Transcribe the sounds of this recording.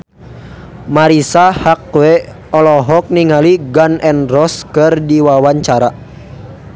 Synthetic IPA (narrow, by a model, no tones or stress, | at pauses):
maɾisahakwɛ | ɔlɔɦɔk̚niŋaliɡanɛnrɔskɨrdiwawaɲt͡ʃaɾa